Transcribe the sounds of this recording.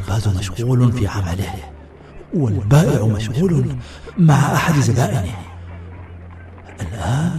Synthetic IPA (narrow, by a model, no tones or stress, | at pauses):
lbaːzumaʃɣuːlnfiʕamalɪh | wɪlbaːʔɪʕmaʃɣuːlʊn | maʕaʔaħad̪zabaːʔɪni | ʔɪlʔaːn